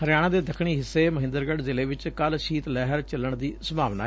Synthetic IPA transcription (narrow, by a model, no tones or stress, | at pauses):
həɾɪjaːɽ̃ãːd̪eːd̪əkʰɳ̃iːɦɪsːeːməɦɪ̃nd̪əɾɡəɖzɪleːʋɪt͡ʃkəlʃiːt̪lɛːɦəɾt͡ʃələɳd̪iːsəmaːʋnaː